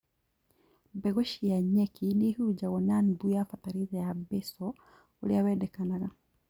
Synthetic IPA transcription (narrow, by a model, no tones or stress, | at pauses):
bɛɡɔʃijaɲɛkʰinihud͡ʒaɡɔnanbujafataɾitɛjabɛsɔ | uliawɛdɛkanaɡa